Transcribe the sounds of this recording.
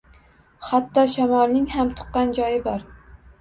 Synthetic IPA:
χat̪ːɒʃamɒlˠnɪŋhamt̪ʰʊ̥qːɑnd͡ʒɒjɪbɒɾ

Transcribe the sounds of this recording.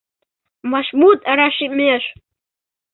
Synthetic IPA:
maʃmut̪aɾaʃɪmeaʃ

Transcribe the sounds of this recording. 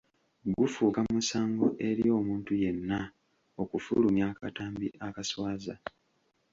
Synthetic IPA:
ɡufuːkamusaːŋɡo̰ʔeɾjo̞ːmuːntuje̞nːa | okufṵlumjaːkataːmbḭʔakaswaːza̰

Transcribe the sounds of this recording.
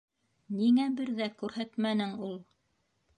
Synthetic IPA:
niŋæbɘɾðækʉɾɦæt̪mænɘŋulˠ

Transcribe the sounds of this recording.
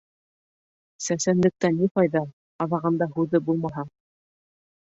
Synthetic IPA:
sæsænlɘ̆k̚t̪ænːiqɑjðɑ | ɑðɑʁɤ̆nd̪ɑhʉðɘbulˠmɑɦɑ

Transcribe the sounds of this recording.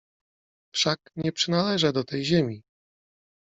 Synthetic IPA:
fʂakɲɛpʂɘnalɛʐɛd̪ɔt̪ɛjʑemʲi

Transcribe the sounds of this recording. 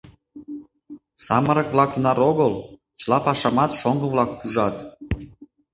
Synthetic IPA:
sɑmə̆ɾɤ̆kβlɑk̪̚unɑɾoɣɤl | t͡ɕlˠɑpɑʃɑmɑt̪ʃoŋɡɤ̆βlˠɑk̚puʒɑt̪

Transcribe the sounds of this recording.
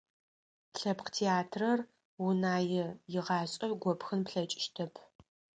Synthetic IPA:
ɬɐpqtʰeaːtʰrɐr | wunaːjɪjɪʁɑːɕʼɐɡʷɔpxɨnpɬɐt͡ʃʼɪ̥ʃtʰɐpʰ

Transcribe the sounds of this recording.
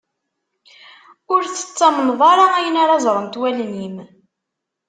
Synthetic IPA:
ʊɾθə̥t͡sːɑmənðˤɑɾˤɑæjənaɾɑzˤɾˤənt̪wælnim

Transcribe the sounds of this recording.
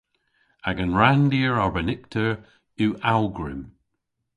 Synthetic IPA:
aɡənɹandiəɹabənɪk̚tʰəɹ | ʉʔalˠɡɹɪm

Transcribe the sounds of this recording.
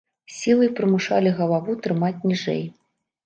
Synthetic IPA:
sʲilˠɨjpɾɨmuʂalʲiɣɐlˠavut̪ɾɨmat͡sʲnʲiʐɛ̰j

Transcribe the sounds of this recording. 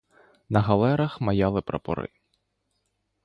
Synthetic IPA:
nɐɦɐlˠɛɾɐxmɐjɑlˠɪpɾɐ̰pɔ̰ɾɪ̰

